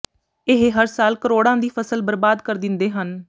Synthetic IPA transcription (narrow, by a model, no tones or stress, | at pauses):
ɪɦeɦəɾsaːlkəɾoːɽãːd̪iːpʰəsəlbəɾbaːd̪kəɾd̪ɪnd̪eːɦən